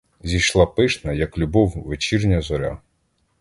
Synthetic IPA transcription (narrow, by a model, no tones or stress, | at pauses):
zʲijʃlˠɑpɪʃnɐjɐklʲʊbɔwʋet͡ʃirnʲɐzɔɾʲa̰